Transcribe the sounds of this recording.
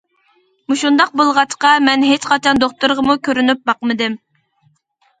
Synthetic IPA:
muʃund̪ɑq̚bolˠʁɑt͡ʃqɑmɛnɦet͡ʃqɑt͡ʃʰɑnd̪oχt̪uɾʁəmukʲʰøɾynyp̚bɑqmɨd̪ɪm

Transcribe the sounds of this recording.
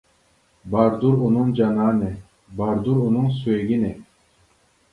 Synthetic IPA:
baɾd̪uɾunuŋd͡ʒanaːne | baɾd̪uɾunuŋs̬ueɡʲine

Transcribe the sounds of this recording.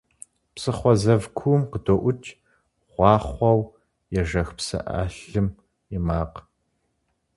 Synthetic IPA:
psɨχʷɔzɐvkʷʰumqədoːʔʷʊt͡ʃʰʼ | ʁ̥ʷɑːχʷɔw | jɛʒɐxpsɐ̰ʔa̰ːɬɨm | ɪmaːq

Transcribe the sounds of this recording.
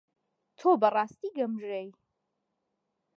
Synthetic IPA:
t̪ʰobɐrɑːst̪iːɡɐmʒej

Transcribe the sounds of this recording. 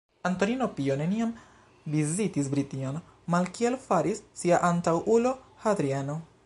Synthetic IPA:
anto̞nino̞pione̞niam | bizitisbɾitinon | malkielfaɾisːiaʔantawʔulo̞had̪ɾieno

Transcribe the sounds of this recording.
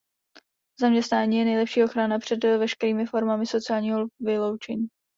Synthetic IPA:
zamɲɛst̪naːɲiːjɛnɛjlɛpʃiːʔo̞xɾanapr̥ɛdvɛʃkɛɾiːmɪfo̞ɾmamɪso̞t͡sɪaːlɲiːɦovɪlo̞wt͡ʃɛɲiː

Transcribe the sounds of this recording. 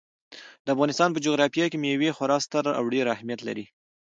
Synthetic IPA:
d̪əafɣɑnɪst̪ɑnpəd͡ʒoɣɾɑfijɑkemewexaɾɑst̪aɾaa̰wɖeɾahmjat̪la̰ɾi

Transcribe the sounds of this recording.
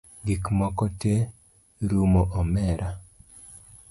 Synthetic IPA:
ɡikmɔkɔte | ɾumoʔɔmɛɾʔa

